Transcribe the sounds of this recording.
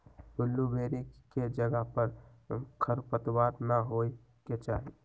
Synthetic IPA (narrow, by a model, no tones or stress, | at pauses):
bʊlːubeːɾiked͡ʒəɡəɦpəɾ | kʰəɾpət̪waːt̪naɦoːi | ket͡ʃaːɦi